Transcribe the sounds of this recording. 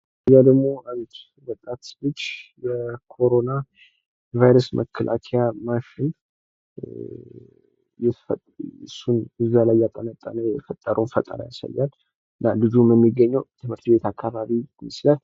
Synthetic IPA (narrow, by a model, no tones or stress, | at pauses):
ɨzad̪əɡmo̞ʔand̪ | bət̪ʼːat̪ɨt͡ʃː | bəkʰo̞ɾona | vajɾəsmʔə̰kʰːəlʔa̰kʰejamaʃɪn | jɛt̪ɨsːunɨzalajːat̪ʼːənət̪ʼːənəjɛfət̪ʼːəɾəwnfət̪ʼə̰ɾa̰ja̰sa̰jːal | ɨnːabɨzuməmːiɡːəɲːəwt̪ʰɨmhɨɾt̪be̞t̪akʰːaβaβimɨslal